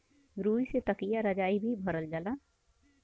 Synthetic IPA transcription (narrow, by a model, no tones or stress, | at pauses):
ɾuiset̪əkijaɾəd͡ʒaibʱibʱəɾəld͡ʒala